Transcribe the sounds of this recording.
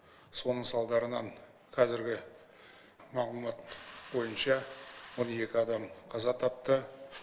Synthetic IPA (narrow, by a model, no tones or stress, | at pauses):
so̞nəɴsɑlˠd̪ɑɾənɑn | qʰɑzɪɾɡʲɪ | mɑʁlˠumɑt̪bo̞jənʃɑwo̞ne̞kʲɪɑd̪ɑmqʰɑzɑt̪ʰɑp̚t̪ə